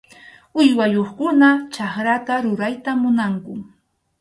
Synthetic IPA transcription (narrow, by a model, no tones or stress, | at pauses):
ʊjwajoχkʊnat͡ʃaχɾat̪aɾʊɾajt̪amʊnaŋkʊ